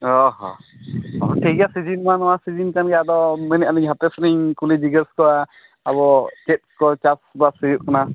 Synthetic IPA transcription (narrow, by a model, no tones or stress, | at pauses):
ɔɦɔ̰ | abɔʈʰeɡasid͡ʒinmanɔwasid͡ʒinkanɡɛad̪ɔmɛnɛʔaniɲɦapɛsɾiɲkulid͡ʒiɡəskɔaː | bɔt͡ʃɛt̚kɔt͡ʃasbasijuʔkana